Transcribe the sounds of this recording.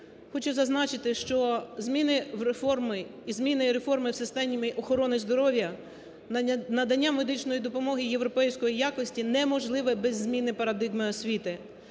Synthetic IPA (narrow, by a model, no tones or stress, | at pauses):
xɔt͡ʃʊzɐznɑt͡ʃɪt̪ɪʃt͡ʃɔzmʲinɪwɾefɔrmɪizmʲinɪɾe̞fɔrmɪwsɪst̪ɛnʲimɪʔɔxɔɾɔnɪzd̪ɔɾɔwʲjɐ | nɐd̪ɐnʲːamed̪ɪt͡ʃnɔjid̪ɔpɔmɔɦɪje̞ʋɾɔpɛjsʲkɔjijakɔsʲtʲinɛmɔʒlˠɪʋɛbɛzʲːmʲinɪpɐɾɐd̪ɪɣmɪɔsʲʋʲit̪ɪ